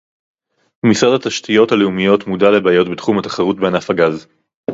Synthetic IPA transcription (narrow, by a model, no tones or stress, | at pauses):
misʁadat̪aʃtʰijo̞thaleumijo̞t̪mudale̞baːjo̞tbetχumhat̪ḁχaʁut̚benafaɡaz